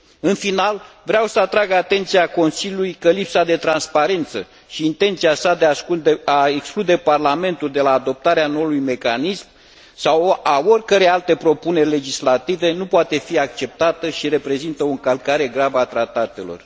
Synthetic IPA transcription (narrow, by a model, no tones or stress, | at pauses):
ɨnfinal | vɾeawsəat̪ɾaɡat̪e̞nt̪sijako̞nsiljulujkəlipsad̪e̞t̪ɾanspaɾe̞nt̪sə | ʃiːnt̪e̞nt̪siasad̪eaud̪eaeksklud̪e̞parlame̞nt̪uld̪e̞laːd̪o̞p̚t̪aɾeano̞ulujme̞kanism | sawaorʲkəɾe̞jalt̪e̞pɾo̞pune̞rʲle̞d͡ʒislat̪ive̞nupoat̪e̞fiak̚t͡ʃe̞p̚t̪at̪əʃiɾe̞pɾe̞zint̪əoɨŋkəlkaɾe̞ɡɾavəat̪ɾat̪at̪e̞lo̞̰r